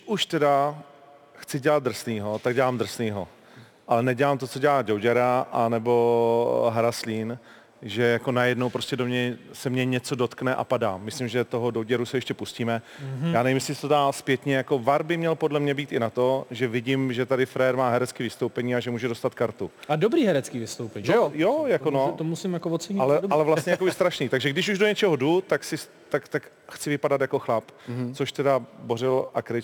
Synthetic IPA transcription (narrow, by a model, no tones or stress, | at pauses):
ʔuʃt̪ɛda | xt͡sɪɟɛlat̪̚d̪r̩sniːɦo̞t̪aɡ̚ɟɛlaːmd̪r̩sniːɦo̞ | ʔalɛnɛɟɛlaːmt̪o̞t͡so̞ɟɛlaːd͡ʒowɟɛɾaʔanɛbo̞ɦaɾasliːn | ʒɛjako̞najɛdnowpɾo̞scɛdo̞mɲɛsɛmɲɛɲɛt͡so̞do̞t̪knɛʔa̰padaːmɪslɪmʒɛt̪o̞ɦodowɟɛɾusɛjɛʃcɛpusciːmɛ | jaːnɛmɪsɪsɛt̪odaːspjɛt̪ɲɛjako̞vaɾbɪmɲɛlpo̞dlɛmɲɛbiːt̪ʔɪnat̪o̞ʒɛvɪɟɪmʒɛt̪adɪfɾɛjɛɾmaːɦɛɾɛt͡skiːvɪst̪o̞wpɛɲiːaʒɛmuːʒɛdost̪at̪kaɾt̪uadobɾiːɦɛɾɛt͡skiːvɪst̪owpɛɲɛjojakkonot̪omusɪmjakovot̪sɛɲalɛalɛvlasstɲɛjakobɪst̪ɾaʃniːt̪aɡʒɛɡdɪʃ̬uʒdoɲɛt͡ʃɛɦodut̪aksɪs | t̪akt̪ak | xt͡sɪvɪpadat̪jako̞xlapt͡soʃt̪ɛdaborɪlʔakɾɪ